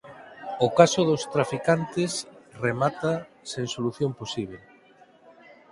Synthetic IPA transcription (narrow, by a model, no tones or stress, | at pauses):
okasʊðost̪ɾafikant̪ɪsremat̪a | seŋsoluθjomposiβ̞e